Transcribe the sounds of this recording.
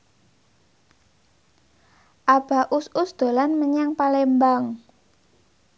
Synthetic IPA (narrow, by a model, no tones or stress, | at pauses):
ʔab̥a̤ʔususd̪̥o̤lanməɲaŋpalembaŋ